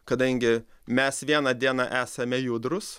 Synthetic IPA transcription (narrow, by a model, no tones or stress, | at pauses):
kɐd̪ɐŋʲɡʲɪ | mʲɛsʋʲiɛnɐd̪ʲiɛnɑʔæːsɐmʲɛjʊd̪ɾʊs